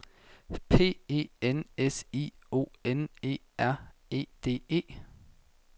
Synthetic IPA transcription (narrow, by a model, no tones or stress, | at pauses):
pʰe̝̰ːe̝̰ːenesḭːo̝̰ːene̝̰ː | æɐ̰e̝̰ːd̥e̝̰ːe̝̰ː